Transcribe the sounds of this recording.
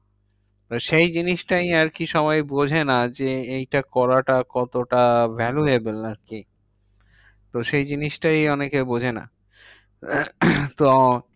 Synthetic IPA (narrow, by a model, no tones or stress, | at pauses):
t̪oʃejd͡ʑiniʃʈajaɾkiʃɔβajbod͡ʑʱenad͡ʑeejʈakɔɾaʈakɔt̪oʈabʱɛluebelaɾki | t̪oʃejd͡ʑiniʃʈajɔnekebod͡ʑʱena̰ | t̪o